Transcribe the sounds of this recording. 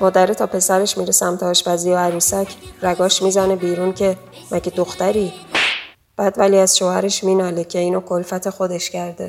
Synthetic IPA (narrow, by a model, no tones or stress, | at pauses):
mɒːd̪æɾit̪ʰɒːpʰe̞sæɾeʃmiɾesæmt̪ʰːʃpæziːoæɾuːsæcʰɾæɡɒːʃmizænebiːɾuːncʰe̞ | mʔæɟed̪oxt̪æɾiː | b̥æːd̪væliæzʃoːhæɾeʃmiːnɒːlecʰe̞iːnokʰolfæt̪ʰe̞xod̪e̞ʃcæɾd̪e̞